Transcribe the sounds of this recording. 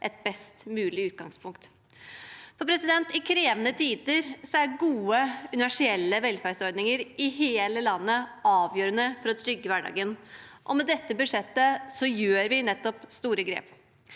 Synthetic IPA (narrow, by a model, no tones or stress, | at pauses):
ʔɛt̪̚bɛst̪mʉːlɪʉːt̪̚ɡɑŋspʰʊŋkt̪ | pɔpʰɾɛsɪd̪ɛnt̪ɪkʰɾeːʋənət̪ʰiːd̪əɾsɔæɡuːəʉnɪʋæʂɪɛlːəʋɛlfæɾsɔɾɖ̪nɪŋəɾʔɪɦeːləlɑnːəɑːʋjøːɾənəfɔɾɔt̪ʰɾʏɡːəʋæɖɑ̰ːɡənʔɔ̰mɛd̪ɛt̪ːəbʉʂɛt̪ːəsɔjøːɾʋɪnɛt̪ːɔpst̪uːɾəɡɾḛːp